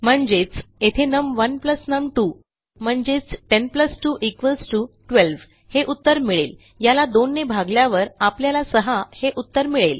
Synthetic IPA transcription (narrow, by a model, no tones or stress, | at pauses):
m̤əɳd͡ʑet͡set̪ʰenəmʋənpləsnəmʈu | m̤əɳd͡ʑet͡sʈenpləsʈuʔikʋəlsʈuʈʋelʋ | heʔut̪ːəɾmiɭel | jalad̪onːebʱaɡljaʋəɾapljalasəɦaheʔut̪ːəɾmiɭel